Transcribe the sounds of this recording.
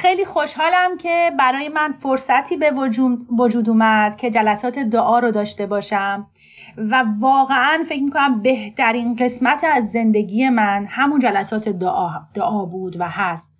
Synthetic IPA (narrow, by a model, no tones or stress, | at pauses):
xejliːxoʃhɒːlæmcʰebæɾɒːjemænfoɾsæt̪ʰiːbevod͡ʒuːd̪uːmæd̪̥cʰe̞d͡ʒælæsɒːt̪ʰe̞d̪oʔɒːɾɔd̪ɒːʃt̪e̞bɒːʃæm | vævɒːɣeænfe̞cmikʰonæmbe̞ht̪ʰæɾiːnɢe̞smæt̪ʰæzːe̞nd̪e̞ɟiːje̞mænhæmund͡ʒælæsɒːt̪ʰed̪d̪̥oʔɒːbuːd̪væhæst̪